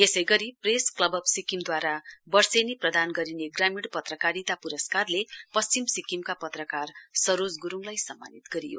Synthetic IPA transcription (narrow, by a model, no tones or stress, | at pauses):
esʌjɡʌɾipresklʌbʌbsikimd̪waɾabʌrseniprʌd̪anɡʌɾineɡramiɽpʌt̪rʌkaɾit̪apuɾʌskarlepʌst͡ɕimsikimkapʌt̪rʌkarsʌɾod͡zɡuɾuŋlajsʌmːa̰nit̪ɡʌɾḭjo̰